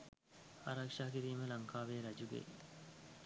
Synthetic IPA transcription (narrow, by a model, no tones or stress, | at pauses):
a̰ɾakʂaːkiɾiːməlaŋkʰaːʋeːɾɐd͡ʒuɡḛj